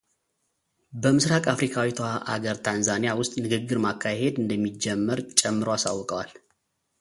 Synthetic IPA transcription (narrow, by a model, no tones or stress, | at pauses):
bəmɨsɾakʼafɾikʰawit̪ʰohaʔa̰ɡəɾt̪ʰanzanijawʊst̪ʼnɨɡɨɡːɨɾmakʰːahe̞d̪ɨnd̪əmːid͡ʒːɛmːəɾt͡ʃʼɛmːɨɾoasa̰wːɔkʼəwal